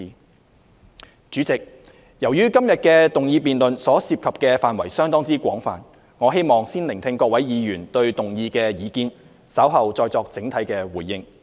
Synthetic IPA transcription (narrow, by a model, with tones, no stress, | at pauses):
t͡ʃyː˨˥t͡sɪ˨k̚ | jɐ˨˩wjyː˥kɐ˥mjɐ˨t̚kɛː˧t̪ʊ˨ŋjiː˧piː˨nlɵ˨nsɔː˨˥siː˧p̚kʰɐ˨p̚kɛː˧faː˨nwɐ˨˩jsœː˥ŋt̪ɔː˥ŋt͡siː˥kʷɔː˨˥ŋfa̰ː˨n | ŋɔː˨˧ɦe˥jmɔː˨˩ŋsiː˥nlɪ˨˩ŋt̪ʰɪ˧ŋkɔː˧k̚wɐ˨˥jjiː˨˧jyː˨˩nt̪ɵ˧ɥt̪ʊ˨˩ŋjiː˧kɛː˧jiː˨˧kiː˧˥n | sɐ˨˥wɦɐ˨wt͡sɔː˧jt͡sɔː˧k̚t͡sɪ˨˥ŋt̪ʰɐ˨˥jkɛː˧wuː˨˩jːɪ˥ŋ